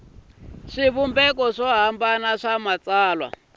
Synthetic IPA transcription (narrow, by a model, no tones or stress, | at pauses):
ʂiβumbɛkɔʂɔɦambanaʂamat͡saːlwa̰